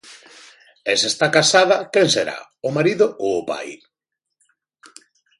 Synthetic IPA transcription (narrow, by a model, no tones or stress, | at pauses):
ɛsest̪akasaðɐkenseɾa̰ | ʊmaɾiðʊʔoːpa̰j